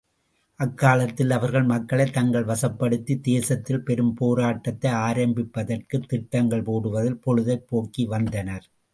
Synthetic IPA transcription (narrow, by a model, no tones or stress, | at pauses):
ʔɐkːaːlɐt̪ːɪlɐʋɐɾɣɐɭmɐkːɐɭɐɪt̪ːɐŋɡɐɭʋɐsɐpːɐɽɯt̪ːid̪eːsɐt̪ːɪlpɛɾɯmpoːɾaːʈːɐt̪ːɐɪaːɾɐmbɪpːɐðɐrkɯt̪ːɪʈːɐŋɡɐɭpoːɽɯʋɐðɪlpɔɻɯðɐɪpːoːkːiʋɐnd̪ɐnɐɾ